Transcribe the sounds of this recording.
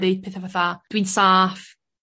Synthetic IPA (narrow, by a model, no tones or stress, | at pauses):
dɪd̥pʰeːθavaθad̥wiːnsaːf